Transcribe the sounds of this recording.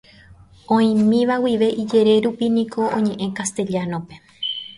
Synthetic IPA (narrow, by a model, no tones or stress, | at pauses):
õĩmĩʋawiʋe̞ʔid͡ʒe̞ɾe̞ɾupinĩkʰo̞õ̰ɲẽ̞ʔẽ̞kast̪e̞ʎanõ̞pe̞